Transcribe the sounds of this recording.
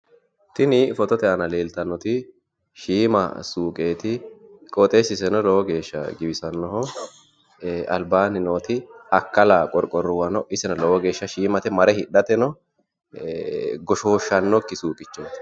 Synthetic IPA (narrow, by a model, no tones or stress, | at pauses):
t̪ɪnɪfɔt̪ɔt̪ɛɐnɐle̞ːlt̪ɐnːɔt̪ɪ | ʃiːmɐ̰suːkʼeːt̪ɪkʼɔt̪ʼeːsɪsɛnɔlɔwɔɡe̞ːʃːɐ̰ɡɪbɪsɐnːɔɦɔ | ɐlbaːnɪnoːt̪ɪɐkːɐlaːkʼɔɾkʼɔrːʊwɐnɔʔɪsɛnɐlɔwɔɡe̞ːʃːɐʃiːmɐt̪ɛmɐɾɛhɪɗɐt̪ɛnɔ | ɡɔʃo̞ːʃːɐnːɔkːɪsuːkʼɪt͡ʃːoːt̪